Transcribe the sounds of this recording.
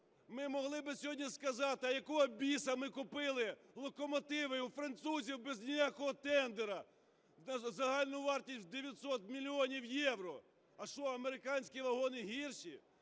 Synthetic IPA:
mɪmɔɦlˠɪbɪsʲɔɦɔdʲnʲiskɐzɑt̪ɪɐjɐkɔɦɔbʲisɐmɪkʊpɪlˠɪlˠɔkɔmɔt̪ɪʋɪufɾɐnt̪suzʲiwbɛznʲɪjakɔɦɔt̪ɛnd̪eɾɐ | ɐzɐɦɑlʲnʊʋɑrtʲisʲtʲd̪eʋʲjɐt̪sɔt̪mʲilʲiɔnʲiwjɛwɾɔ | ɐʃt͡ʃɔɐmeɾɪkɑnʲsʲkʲiʋɐɦɔnɪɦʲirʃi

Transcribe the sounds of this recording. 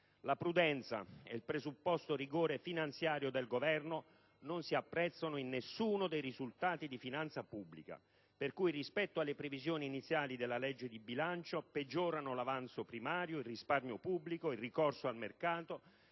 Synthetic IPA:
lapɾud̪ɛnt̪sa̰eilpɾezupːɔst̪oriɡoːɾefinant̪sjaːɾjod̪elɡovɛrno | nonsiapːɾɛt̪sːonoinːesːuːnod̪ejrizult̪aːt̪id̪ifinant̪sapubːlika̰ | perkujrispɛt̪ːoalːepɾevizjoːniːnit̪sːjaːlid̪elːalɛd͡ʒːed̪ibilant͡ʃoped͡ʒːɔːɾanolavant̪sopɾimaːɾjoilrisparɲopubːlikoilrːikɔrsoalmerkaːt̪o

